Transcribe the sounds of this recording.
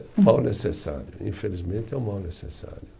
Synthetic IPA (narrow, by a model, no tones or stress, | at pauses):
mawnesesa̰ɾjʊḭ̃felizmẽnt̪ɛumawnesesa̰ɾjʊ